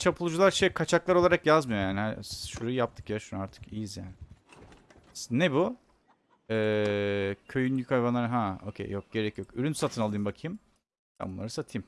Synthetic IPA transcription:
t͡ʃʰapʰɯlˠud͡ʒulˠaɾʃekʰat͡ʃʰaklˠaɾo̞lˠaɾakjazmɯjojaːnihaʃuɾajjap̚t̪ʰɯ̥kjaʃunaɾt̪ʰɯ̥kijizja̰ːnɪ | nebu | ɛː | cʰøjynʲykʰajvanˠaɾɦao̞̰cʰḛjok̚ɟ̥e̞ɾɛcjo̞kyɾynsat̪ʰɯnalˠɯjɯmbakʰɯjɯm | t̪ʰa̰nbunːaɾɯsat̪ʰɯjm

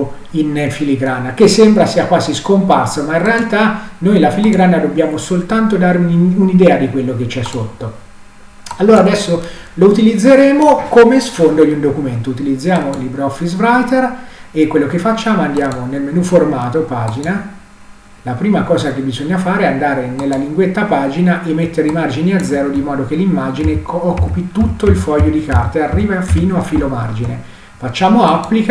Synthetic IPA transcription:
infiliɡɾanːakesːembɾasiːakwaːziskomparsomainrealt̪anojlafiliɡɾanːad̪objaːmosolt̪ant̪od̪aɾunid̪ɛːad̪ikwelːok̟et͡ʃːɛsːot̪ːo | alːoːɾad̪ɛsːo | lout̪ilid̪zːeɾeːmokomesfond̪od̪iund̪okument̪out̪ilid̪zːjaːmolibɾɔfisɾajt̪erekwelːokefːat͡ʃːaːmoand̪jaːmonelmenuformaːt̪opaːd͡ʒina | lapɾiːmakɔːzak̟ebizoɲːafaːɾeɛand̪aːɾenelːaliŋɡwet̪ːapaːd͡ʒinaʔemːet̪ːeɾeimard͡ʒiniad̪zːɛːɾod̪imɔːd̪ok̟elːimːad͡ʒineɔkːupit̪ut̪ːoilfɔjːod̪ikart̪earːiːvafiːnoafiːloma̰rd͡ʒine | fat͡ʃːaːmoapːlik

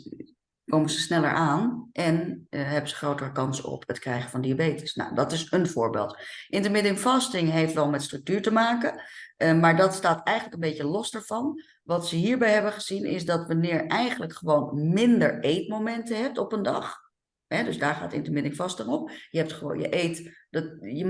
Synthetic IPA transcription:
kowmənzəsnɛlə̰ɹʔaːnʔɛnɦɛbənzəχrowtərəkɑnsəɔ̰pətkrɛjχənvɑndiabejtə̥sna̰wdɑtɪsənv̥ʊːɹbḛːlˠtʔɪntəɹmɪdɪŋfɑstɪŋɦejftʋɛlˠmɛtstrʏk̚tyːɹtəmaːkəmaːɹdɑtstaːtɛjχənləkənbejcəlɔsdaːɹv̥ɑn | ʋɑtsəɦiːɹbɛjɦɛbəχəz̥inɪ̰sdɑtʋɑnɪːɹʔɛjχənləkχəʋownmɪndəɹejtmomɛntəɦɛp̚tɔpəndɑ̰χ | ɛdɵzdaːɹχa̰ːtɪ̰ntəmɪdɪŋfɑstɪŋɔpjəɦɛp̚tχəʋo̰ːnjə̰ʔejtdɑjə

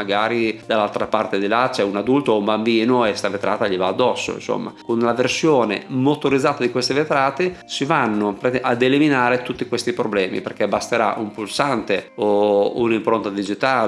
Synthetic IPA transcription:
aɡaːɾid̪alːalt̪ɾapart̪ed̪ilat͡ʃɛunad̪ult̪oumbambiːnoest̪avet̪ɾaːt̪aʎivaːd̪ːɔsːo̰ḭnso̰mːa̰konlaversjoːnḛmot̪oɾid̪zːaːt̪ad̪ikwest̪evet̪ɾaːt̪et͡ʃivanːopɾeʔad̪eliminaːɾet̪ut̪ːikwest̪ipɾoblɛːmḭperkebast̪eɾa̰ʔumpulsant̪eoṵnimpɾont̪ad̪id͡ʒit̪aːl

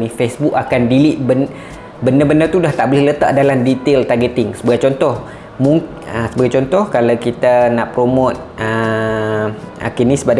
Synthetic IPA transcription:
nifesbukakandiliʔbən | bəndəbənət̪udaht̪aʔbolɛhlət̪a̰ʔdalamdit̪elt̪aɡət̪ɪŋsəbaɡajt͡ʃɔnt̪ɔh | muŋ | əsəbaɡajt͡ʃɔnt̪ɔhkalawkit̪anaʔpɾomot̪̚ʔə | a̰kinĩsəbada

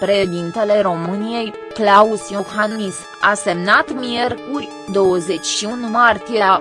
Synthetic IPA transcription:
pɾe̞ʃed̪int̪e̞le̞ɾo̞mɨnije̞j | klausioxannismase̞mnat̪mie̞rkurʲ | d̪o̞wəze̞t͡ʃʲʃiunmart̪ije

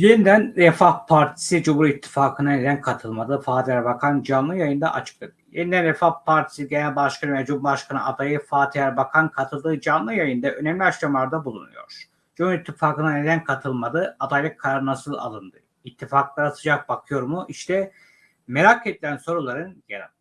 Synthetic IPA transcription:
jenid̪ænɾɛfahpʰaɾt̪ʰi̥sid͡ʒumuɾit̪ʰːi̥faːkʰɯnɯned̪ænkʰat̪ʰɯlˠmad̪ɯfaːt̪ʰilʲæɾbakʰand͡ʒanlˠɯjajɯnd̪a̰ʔa̰t͡ʃʰɯ̥k̪̚ad̪ɯjenid̪ænɾɛfahpʰaɾt̪ʰi̥siɟenælʲbaʃkʰanɯvɛd͡ʒumbaʃkʰanɯ̰ʔad̪ajɯfaːt̪ʰijʲæɾbakʰankʰat̪ʰɯlˠd̪ɯːd͡ʒanlˠɯjajɯnd̪aʔø̞nemlʲiakʃamlˠaɾd̪abulˠṵnṵjo̞̰ɾ̥ | d͡ʒumhuɾit̪ʰːifaːkɯnaned̪ænkʰat̪ʰɯlˠmad̪ɯad̪ajlʲˠɯkʰːaɾaɾɯnasɯlˠa̰lˠɯnd̪ɯ | it̪ʰːifaklˠaɾasɯd͡ʒak̚bakʰɯjo̞ɾmuʔiʃt̪ʰɛ | meɾakʰed̪ilʲænso̞ɾulˠaɾɯnjeɾa̰

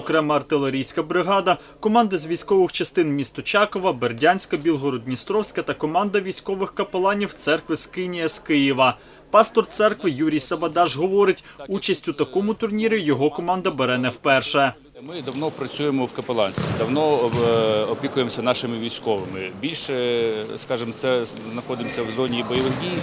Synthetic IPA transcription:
ɔkɾɛmɛɐrt̪ɪlˠeɾʲijsʲkɐbɾɪɦɑd̪ɐ | kɔmɑnd̪ɐzʲʋʲijsʲkɔʋɪxt͡ʃɐst̪ɪnmʲist̪ɔt͡ʃɑkɔʋɐberdʲanʲsʲkɐbʲilˠɦɔɾɔd̪̚ʲnʲist̪ɾɔwsʲkɐt̪ɐkɔmɑnd̪ɐʋʲijsʲkɔʋɪxkɐpelˠɑnʲiwt̪sɛrkʋɪskɪnʲijɐskɪjɪʋɐ | pɑst̪ɔrt̪sɛrkʋɪjuɾʲijsɐbɐd̪ɑʒɦɔʋɔɾɪtʲ | ut͡ʃɐsʲtʲʊt̪ɐkɔmʊt̪ʊrnʲiɾʲijɔɦɔkɔmɑnd̪ɐbeɾɛnɛwpɛrʃɛ | mɪd̪ɐwnɔpɾɐt͡sʲujemɔwkɐpelˠɑnsʲt̪ʋʲid̪ɐwnɔ | ɔpʲikʊjemsʲɐnɑʃɪmɪʋʲijsʲkɔʋɪmɪbʲilʲʃɛskɑʒɪmt̪sɛznɐxɔd̪ɪmsʲɐwzɔnʲiːbɔjɔʋɪɦdʲij

